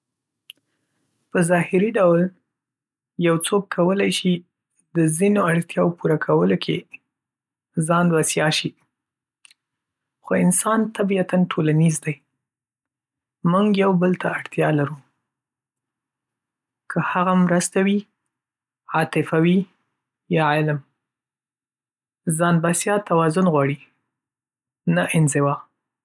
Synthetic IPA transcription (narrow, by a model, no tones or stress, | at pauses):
pəzɑhɪɾiɖawl | jawt͡sokːʰawəlajʃi | d̪əzinoaɽt̪jɑwpuɾakʰawəlokʰe | zɑnd̪wasjɑʃi | xoɪnsɑnt̪abiat̪anʈʰolanizd̪aj | muŋɡjawbəlt̪aːɽt̪jɑlaɾu | kʰəhaɣamɾəst̪awi | ɑt̪ɪfawi | jɑʕɪlm | zɑnd̪basjɑt̪awɑzʊnɣwɑɽi | naʔɪnzɪwɑ